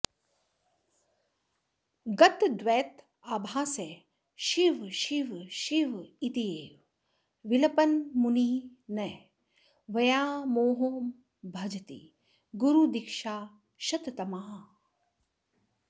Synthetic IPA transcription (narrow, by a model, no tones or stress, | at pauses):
ɡɐt̪d̪ʋɛːt̪ | aːbʱaːse | ʃiʋʃiʋʃiʋit̪ijeːʋ | ʋilɐpɐnmuniːnɐ | ʋɐjaːmoːɦoːm | bʱɐd͡ʒɐt̪ḭ | ɡuɾud̪ikʃaː | ʃɐt̪t̪ɐmaː